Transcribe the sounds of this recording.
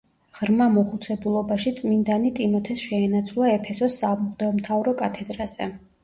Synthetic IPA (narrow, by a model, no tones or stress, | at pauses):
ʁ̥ɾmamɔχut̪sʰɛbulˠɔbaʃit̪sʼmind̪anit̪ʼimɔt̪ʰɛsʃɛːnat̪sʰwlˠaɛpʰɛsɔsːamɔχd̪ɛɔmt̪ʰavɾɔkʼat̪ʰɛd̪ɾaz̥ɛ̰